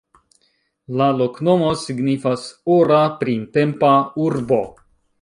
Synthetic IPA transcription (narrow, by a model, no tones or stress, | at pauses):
lalo̞kno̞mo̞siɡnifasoɾapɾinte̞mpauɾbo̞